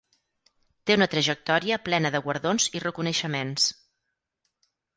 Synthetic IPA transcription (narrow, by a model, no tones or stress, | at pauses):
t̪eunət̪ɾəʒək̚t̪ɔɾiəplɛnəðəɣwəɾðonzirəkunəʃəmens